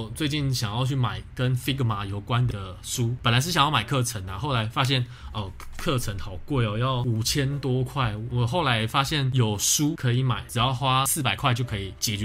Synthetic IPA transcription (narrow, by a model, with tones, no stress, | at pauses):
t͡swe˥˧ɪt͡ɕi˥˩nɕjɑ˨˩ŋjɑ˥˧ʊt͡ɕʰy˥˩ma˨˩ɪkə˦nfi˥ɡə˨˩ma˧˥jo˨˩ʊkwa˦nd̪ə˨ʂu˦˥pə˨˩nla˧˦ʂ̬̩˥˩jɑ˨ŋjɑ˥˩ma˨˩ɪkʰɤ˥˩ʈ͡ʂʰə˧˦na˨xo˥˩ʊla˧˥˦ɪfa˦˥ɕ̬jɛ˥˩n | ɔ˥˧˩kʰɤ˥˨ʈ͡ʂʰə˧˦ŋxɑ˨˩ʊkwɔ˥˩ɪɔ˨˩jɑ˥˩ʊu˨˩t͡ɕʰjɛ˥nt̪wɔ˥kʰwa˥˩ɪwɔ˨˩xo˥˩ʊla˧˥ɪfa˥ɕjɛ˥˩njo˨˩ʊʂu˦˥kʰɤ˧˥i˧˥ma˨˩˦ɪʈ͡ʂɻ̩˨˩jɑ˥˩ʊxwa˦˥sɹ̩˥˩pa˨˩ɪkʰwa˥˧t͡ɕo˥˩ʊkʰɤ˧˥i˨˩t͡ɕjɛ˨˩t͡ɕɛ˧